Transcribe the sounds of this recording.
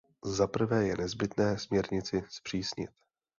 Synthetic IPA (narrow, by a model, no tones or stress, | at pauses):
zapr̩vɛːjɛnɛzbɪt̪nɛːsmɲɛɾɲɪt͡sɪspr̝̥iːsɲɪt̪